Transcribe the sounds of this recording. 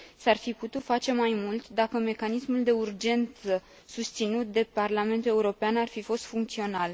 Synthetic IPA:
sarfiput̪ut̪fat͡ʃe̞majmult̪d̪akəme̞kanismuld̪e̞urd͡ʒe̞nt̪sə | sust̪sinut̪̚d̪e̞parlame̞nt̪ule̞uɾo̞peanarfifo̞st̪fuŋkt̪sio̞nal

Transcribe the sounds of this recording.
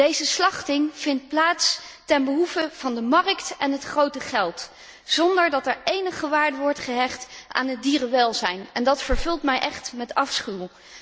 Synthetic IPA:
d̥ejzəslɑχtɪŋv̥ɪnt̚plaːtstɛnbəɦufəv̥ɑndəmɑrəktɛnɦətχrowtəχɛlˠt | z̥ɔndəɹdɑtɛɹejnəχəʋaːɹdəʋɔɹtχəɦɛχtʔa̰ːnət̚diːrəʋɛlˠzɛjnɛndɑtfəɹvɵlˠtmɛjʔɛχtmɛtɑfsχylˠ

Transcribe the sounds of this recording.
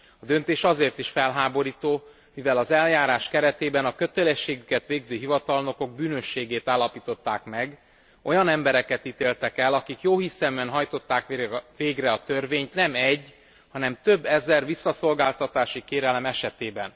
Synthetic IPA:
ɒd̪ø̞nt̪eːʃɒzeːrt̪iʃfɛlɦaːbo̞ɾiːt̪oː | mivɛlɒzɛljaːɾaːʃkɛɾɛt̪eːbɛnɒkø̞t̪ɛlɛʃːeːɡykɛt̪ʋeːɡzøːɦivɒt̪ɒlno̞ko̞ɡ̚byːnø̞ʃːeːɡeːt̪aːlːɒpiːt̪o̞t̪ːaːkmɛɡ | o̞jɒnɛmbɛɾɛkɛt̪it̪eːlt̪ɛkɛlɒkikjoːɦisɛmyɛnɦɒjt̪o̞t̪ːaːkːveːɡrɛɒt̪ø̞rveːɲt̪nɛmɛɟː | hɒnɛmt̪ø̞bːɛzɛrʋisːɒso̞lɡaːlt̪ɒt̪aːʃikeːɾɛlɛmɛʃɛt̪eːbɛn

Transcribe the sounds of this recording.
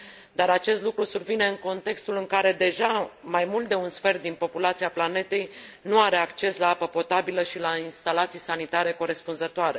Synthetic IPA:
d̪aɾat͡ʃe̞st̪lukɾusurvine̞ɨŋko̞nt̪e̞kst̪ulɨŋkaɾe̞d̪e̞ʒamajmult̪d̪e̞unsfe̞rt̪̚d̪inpo̞pulat̪siaplane̞t̪e̞jnuaɾe̞akt͡ʃe̞slaapəpo̞t̪abiləʃilainst̪alat̪sijsanit̪aɾe̞ko̞ɾe̞spunzət̪oaɾe̞

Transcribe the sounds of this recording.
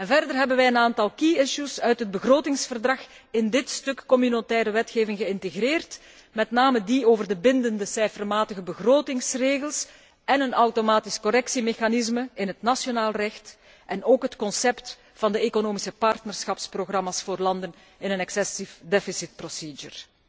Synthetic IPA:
ɛnvɛrdərɦɛbənʋɛjənaːntɑlˠkiɪʃusœɥtɦəd̚bəɣroːtɪŋsfərdrɑx | ɪndɪtstɵkːɔmynotɛːɾəʋɛtxeːvɪŋɣəɪnteɣreːrt | mɛtnaːmədioːvərdəbɪndəndəsɛjfərmaːtəɣəbəɣroːtɪŋsreːɣəlˠs | ɛnənɐwtomaːtiskɔɾɛksimexanɪzməɪnɦətnasjonaːlˠrɛxt | ʔɛnoːkɦətkɔnsɛpt | fɑndəekonoːmisəpɑrtnərsxɑpsproɣrɑmasfoːrlɑndən | ɪnənɛksɛsifdɛfɪsɪt̚prosiːd͡ʒə̰r

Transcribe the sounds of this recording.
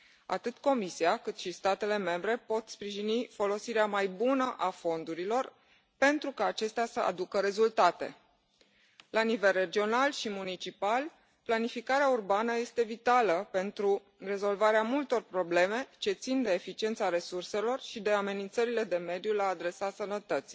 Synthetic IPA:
a̰t̪ɨt̪ko̞misiakɨt̪ʃist̪at̪e̞le̞me̞mbɾe̞po̞t̪spɾiʒinifo̞lo̞siɾeamajbunəʔafo̞nd̪uɾilo̞r | pe̞nt̪ɾukaːt͡ʃe̞st̪easəa̰d̪ukəɾe̞zult̪at̪e̞̰ | lanive̞lre̞d͡ʒio̞nalʃimunit͡ʃipal | planifikaɾeaurbanəje̞st̪e̞vit̪aləpe̞nt̪ɾu | re̞zo̞lvaɾeamult̪o̞rpɾo̞ble̞me̞t͡ʃe̞t̪sind̪e̞ːfit͡ʃie̞nt̪saɾe̞surse̞lo̞rʃid̪e̞ame̞nint̪səɾile̞d̪e̞me̞d̪julaːd̪ɾe̞sasənət̪ət̪si̥j

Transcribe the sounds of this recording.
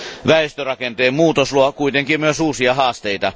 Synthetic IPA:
ʋæest̪ørɑkent̪eːmmuːt̪osluɑkuit̪eŋkimmyøsuːsiɑhɑːst̪eit̪ɑ̰

